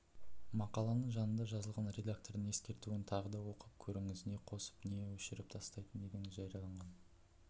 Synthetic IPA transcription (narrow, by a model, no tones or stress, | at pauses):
mɑqɑlˠɑnəɴʒɑnənd̪ɑʒɑzəlˠʁɑnrʲe̞d̪ak̚t̪o̞rd̪əŋe̞skʲe̞ɾt̪uɪnt̪ʰɑʁəd̪ɑwo̞qəp̚kʲʰɵɾɪŋɪzɪne̞qʰo̞sə̥pnejewɵʃɪɾɪp̚t̪ʰɑst̪ɑjt̪ənd̪e̞ɡʲeŋɪzʒɑjɾijɑlˠɑɴʁɑn